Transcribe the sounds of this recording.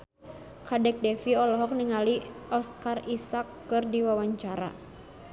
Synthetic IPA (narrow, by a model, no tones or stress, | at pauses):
kadɛk̚dɛfiɔlɔɦɔk̚niŋaliɔskarisakː | ɨrdiwawaɲt͡ʃaɾa̰